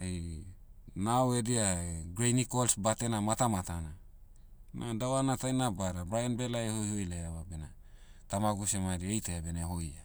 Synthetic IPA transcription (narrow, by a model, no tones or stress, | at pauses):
ej | nawediaɡɾejnikolsbate̞namatamatana | nadawanatajnabaɾabɾajanbelajehojhojlaawabena | tamaɡusemadiejteabeneɦoja